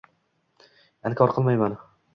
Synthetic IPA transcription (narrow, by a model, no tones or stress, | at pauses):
ankʲʰɒɾqʰɨlˠmajman